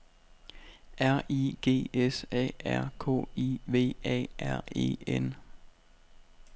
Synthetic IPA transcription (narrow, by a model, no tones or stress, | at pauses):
ʔæɐ̰iːɡ̥e̝̰ːesɛ̰ːæɐ̰kʰɔ̰ːiʋe̝̰ːɛ̰ːʔæɐ̰e̝̰ːen